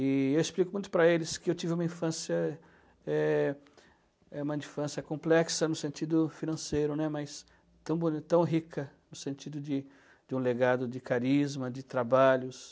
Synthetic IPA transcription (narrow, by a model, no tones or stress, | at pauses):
ɪewɪsplikʊmũj̃t̪ʊpɾɐelɪskɪewt͡ʃ̪ivɪũmɐĩfɐ̃sjɐ | ɛ | ɛũmɐĩfɐ̃sjɐkõplɛksɐnʊsẽnt̪id̪ʊfinɐ̃sejɾʊnɛmɐjs | t̪ɐ̃w̃bonit̪ɐ̃w̃ɦikʰɐnʊsẽnt͡ʃ̪id̪ʊd͡ʒ̪ɪ | d͡ʒɪũleɡad̪ʊd͡ʒɪkaɾizmɐd͡ʒ̪ɪt̪ɾabaʎʊs